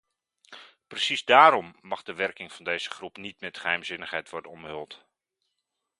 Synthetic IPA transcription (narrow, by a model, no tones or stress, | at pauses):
prəsizdaːɾɔmːɑχdəʋɛɹkɪŋv̥ɑndejzəχrupnitmɛtχəɦɛjmzɪnəχɦɛjtʋɔɹdənɔmɦɵlˠt